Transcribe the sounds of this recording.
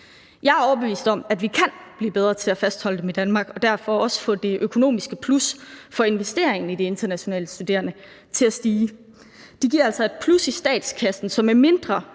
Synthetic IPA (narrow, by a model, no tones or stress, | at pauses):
jɑ̈ɪæɐɒʊɐb̥e̝ʋḭːsd̥ɒ̽mæd̥ʋikʰænb̥liːb̥eð̞ˠʁɐːt͡sʰe̝æfæsd̥hɒ̽l̰əd̥emid̥ænmɑ̈ːɡ̥ɒ̽d̥æɐfɒɒ̽sə̥fɔ̰̽d̥e̝ʔøkʰo̝no̝̰ːmisɡ̥əpʰlusfɒ̽e̝nʋesd̥e̝ɐ̰eŋn̩id̥e̝e̝nd̥ɐnæɕo̝nɛ̰ːləsd̥ud̥e̝̰ːɐnə | t͡sʰe̝læsd̥iː | d̥iɡ̥iɐ̰ælsɒ̽e̝d̥pʰlusisd̥ɛ̰ːd̥skʰæsn̩sɒ̽mæɐme̝nd̥ʁɐ